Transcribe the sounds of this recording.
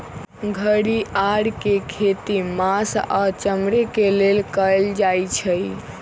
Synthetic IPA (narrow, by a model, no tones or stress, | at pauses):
ɡʱəɽiaɽkekʰet̪imasat͡ʃəmɾekelelkəld͡ʒajt͡ʃʰəj